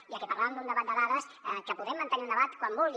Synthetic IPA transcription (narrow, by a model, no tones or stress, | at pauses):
iəkɛpaɾlaβəmnd̪und̪əβat̪d̪əðaðəs | əkəpuðɛmːənt̪əniund̪əβat̪kwambulˠ